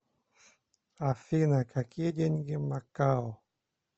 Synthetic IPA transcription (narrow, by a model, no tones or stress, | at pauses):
afinakakiɟenɡimakao